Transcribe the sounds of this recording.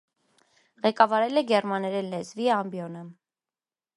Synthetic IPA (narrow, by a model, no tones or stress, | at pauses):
ʁɛkɑvɑɾɛlɛɡɛɾmɑnɛɾɛnlɛt͡sviɑmbjɔnə